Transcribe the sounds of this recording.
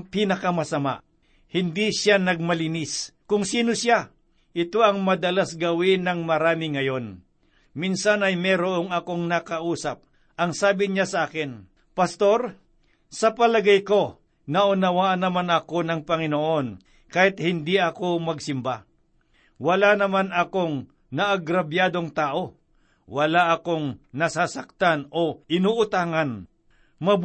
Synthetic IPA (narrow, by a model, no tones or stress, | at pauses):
pinɐkɐmɐsɐma̰ | hɪnd̪isjanɐɡ̚mɐlɪniskʊŋsiːno̞sja | ʔɪt̪o̞ʔɐŋmɐd̪ɐlasɡɐwɪnɐŋmɐɾaːmɪŋɐjo̞n | minsanɐjmɛɾoʔoŋɐko̞ŋnɐkɐʔuːsɐp̚ | ʔɐŋsaːbɪɲasɐʔaːkɛn | pɐst̪o̞ɾ | sɐpɐlɐɡajko̞ | nɐʔʊnɐwaʔɐnɐmanɐko̞nɐŋpɐŋɪnoʔo̞n | kaːhɪt̪̚hɪnd̪iʔɐko̞mɐɡsɪmba | wɐlanɐmanɐko̞ŋ | nɐʔɐɡɾɐbjaːd̪o̞ŋt̪aːʔo̞ | wɐlaʔɐko̞ŋnɐsaːsɐk̚t̪ano̞ʔɪnoʔʊt̪aːŋɐn | mɐb